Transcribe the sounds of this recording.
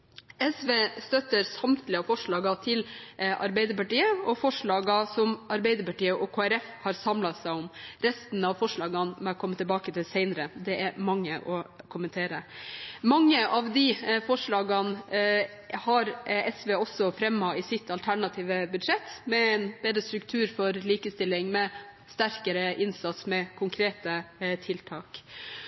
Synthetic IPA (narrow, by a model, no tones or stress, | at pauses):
ɛsʋeːst̪œt̪ːəɾsɑmt̪lɪɑfɔʂɭɑːɡɑt̪ʰɪlɑ̰ɾbæɪd̪əɾpɑʈiːəɔfɔʂɭɑːɡɑsɔmɑɾbɛɪd̪əɾpɑʈiːəʔɔkʰoːæɾɛfhɑɾsɑmlɑsæɪɔmɾɛst̪n̩ɑʋfɔʂɭɑːɡɑnmɛɔkʰɔmːət̪ʰɪbɑːkət̪ʰɪlsæɪnəɾəd̪ɛæɾmɑŋːəʔɔkʰʊmənt̪ʰeːɾəmɑŋːəʔɑʋd̪ifɔʂɭɑːɡɑn | hɑɾɛsʋeːɔsːɔfɾɛmɑɪsɪt̪ʰːɑlt̪ʰæɳɑt̪ʰiːʋəbʉd̪ʂɛt̪ːmɛæɪnb̥eːd̪ɾəst̪ɾʉkt̪ʰʉːɾfɔɾliːkəst̪ɪlːɪŋmɛ | st̪æɾkəɾəʔɪnsɑt̪smɛkʰʊŋkʰɾeːt̪ət̪ʰɪlt̪ʰɑːk